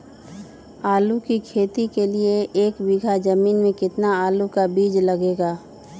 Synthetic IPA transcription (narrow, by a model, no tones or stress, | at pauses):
aːlukikʰeːt̪ikelieeːkbiɡʱad͡ʒɐmiːnmẽkɪt̪naaːlukabiːd͡ʒlɐɡeːɡaː